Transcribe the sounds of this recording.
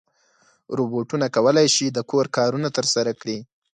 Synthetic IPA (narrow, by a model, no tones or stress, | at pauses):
ɾuboʈunakawəlajʃid̪əkoɾkɑɾunat̪əɾsaɾakɽi